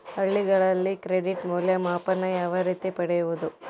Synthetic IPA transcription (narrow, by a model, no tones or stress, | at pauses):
hɐɭːiɡɐɭɐlːikɾeɖiʈmuːljɐmaːpɐnːɐjaːʋɐɾiːt̪ipɐɽɛjuʋud̪u